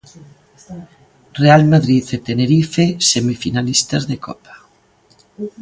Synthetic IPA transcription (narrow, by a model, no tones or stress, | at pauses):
realmaðɾiθet̪eneɾifesemifinalist̪azðekɔ̰pḁ